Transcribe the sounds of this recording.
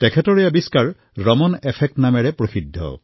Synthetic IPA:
tɛkʰɛtɔɹɛabiskaɹ | ɹɔmɔnɛpʰɛk̚tnamɛɹɛpɹosidʱːɔ̰

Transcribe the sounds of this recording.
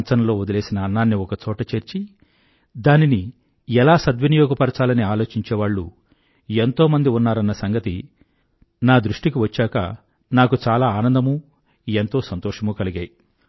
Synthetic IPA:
nt͡ʃɐnɐlo̞ːod̪ɐle̞ːsinɐːnːaːnːiɔkɐt͡ʃɔːʈɐt͡ʃeːɾt͡ʃi | d̪aːnini | ɛlaːsɐd̪ʋɐnijɔːɡɐpɐɾɐt͡ʃaːlɐniaːlo̞ːt͡ʃiɲt͡ʃeːʋaːɭːṵ | ent̪o̞ːmɐnd̪iunːaːɾɐnːɐsɐŋɡɐt̪i | naːd̪ɾuʂʈik̬iʋɐt͡ʃːaːkɐ̰ | naːkut͡ʃaːlaːaːnɐnd̪ɐmuː | ent̪o̞ːsɐnt̪ɔːʂɐmuːkɐliɡaːji

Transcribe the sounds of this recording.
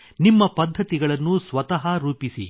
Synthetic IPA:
nimːɐpɐd̪ʱːɐt̪iɡɐɭɐnːusʋɐt̪ɐɦɐɾuːpisḭ

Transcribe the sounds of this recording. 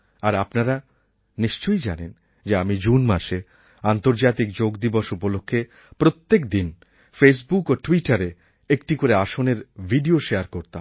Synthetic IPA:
aɾapnaɾa | niʃt͡ɕojd͡ʑa̰nen | d͡ʑeamid͡ʑunmaʃe | ant̪oɾd͡ʑat̪ik̚d͡ʑoɡd̪iboʃupolokʰːe | pɾot̪ːekd̪in | fes̬bukoʈwiʈaɾe | ek̚ʈikoɾeaʃoneɾbʱiɖioʃeaɾkoɾt̪am

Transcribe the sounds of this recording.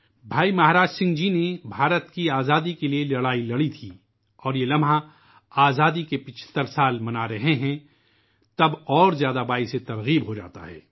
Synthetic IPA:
bʱaːimɐɦaɾaːd͡ʒsɪ̃ŋɡd͡ʒinebʱaːɾət̪kiaːzaːd̪ikelielɐɽaːilɐɽit̪ʰiː | ɔːɾjelɐmɦã | aːzaːd̪ikepɪt͡ʃʰt̪əɾsaːlmɐnaɾɐɦeɦɛ̃ | t̪ɐbɔːɾzjaːd̪abaːiset̪ɐɾɣiːbɦod͡ʒa̰ːt̪a̰ɦɛ̰ː

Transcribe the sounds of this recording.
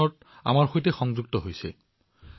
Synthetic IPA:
ɔt̚ | a̰maɹxojtɛxɔŋzuɡ̚tɔɦojsɛ̰

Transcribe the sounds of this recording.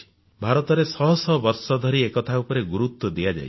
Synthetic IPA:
bʱaɾɔt̪ɔɾesɔɦɔsɔbɔɾsɔd̪ʱɔɾiekɔt̪ʰaupɔɾeɡuɾut̪wɔd̪ijad͡ʒa̰j

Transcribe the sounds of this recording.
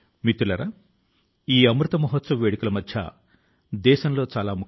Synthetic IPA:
mit̪ːɾulɐɾa | iːɐmɾut̪ɐmɐɦot̪sɐmʋeːɽikulɐmɐd̪ʱjɐ̰ | d̪ɛːʃɐmlo̞ːt͡ʃaːlaːmuk

